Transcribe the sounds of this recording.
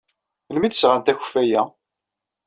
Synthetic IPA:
lmid̪əsʁant̪æçəfæjæ

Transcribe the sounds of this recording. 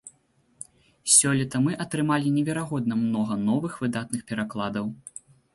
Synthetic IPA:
sʲɔlʲɛt̪ɐmɨʔɐt̪ɾɨmalʲinʲɛvʲɛɾaɣɔd̪̚nɐmnɔɣɐnɔvɨxvɨd̪at̪̚nɨxpʲɛɾaklˠad̪ɐw

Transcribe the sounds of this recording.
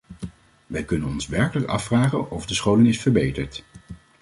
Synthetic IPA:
ʋɛjkɵnənɔnsʋɛɹkələkɑ̰fraːχə̰nɔvdəsχowlənɪsfəɹbejtəɹt

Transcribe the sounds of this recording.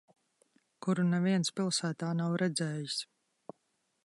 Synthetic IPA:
kuɾunɛviɛnspʲilˠsæːt̪aːnawɾʔɛd̪zɛːjis

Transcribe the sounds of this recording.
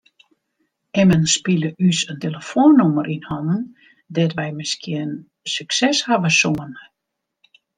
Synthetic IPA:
ɛmənspiləʔysənteləfoənːoməɾʔinhɔnn̩ | dɛtʋɛjmɪskʰiən | syksɛshavəsoən

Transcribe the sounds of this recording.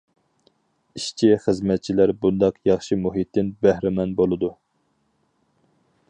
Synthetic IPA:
iʃt͡ʃʰiχəzmɛt̪̚t͡ʃʰilæɾbund̪ɑqjɑχʃimuɦit̪ːɪnbæhɾɪmɛnbolˠɨd̪u

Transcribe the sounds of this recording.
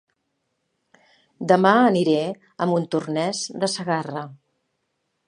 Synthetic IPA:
d̪əmaəniɾɛ | əmbunt̪urnɛzd̪əsəɣarə

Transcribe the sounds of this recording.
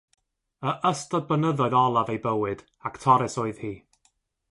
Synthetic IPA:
əʔəstɔd̚bənəðɔɨðɔlˠavejbəwɨd̥ | aktʰɔɾɨsoɨð̥hiː

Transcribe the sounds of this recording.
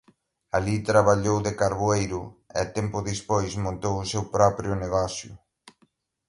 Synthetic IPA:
alit̪ɾaβaʎowðekaɾβoejɾʊɛat̪ɛmpʊðispojsmõnt̪owʊsewpɾɔpɾjʊneɣɔθjʊ̰

